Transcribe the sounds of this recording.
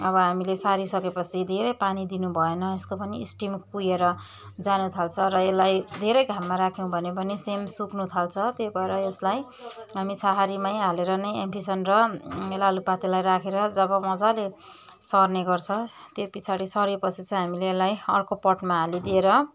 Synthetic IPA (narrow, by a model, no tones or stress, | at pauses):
ʌβʌɦamilesaɾisʌkepʌt͡sʰid̪ʱeɾʌjpanid̪inubʱʌenʌeskopʌniḭsʈimpujeɾʌ | d͡zanut̪ʰalt͡sʰʌɾʌelːajd̪ʱeɾʌjɡʱamːaɾakʰjõw̃bʱʌnebʌnesemsuknut̪ʰalt͡sʰʌt̪jobʱʌeɾʌeslaj | ɦamit͡sʰaɦaɾimʌjaleɾʌnʌjempisʌnrʌelalupat̪elajɾakʰeɾʌd͡zʌbʌmʌd͡zale | sʌrneɡʌrt͡sʰʌ̃ | t̪jopit͡sʰaɾisʌɾepʌt͡sʰit͡sʌ̃ɦamileːlajʌ̰rkopʌʈmaɦalid̪ieɾʌ